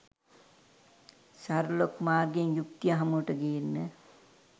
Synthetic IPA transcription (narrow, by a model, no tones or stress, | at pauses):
saɾlokmaːrɡeŋjuk̚t̪ijaɦɐmuʈəɡeːnːə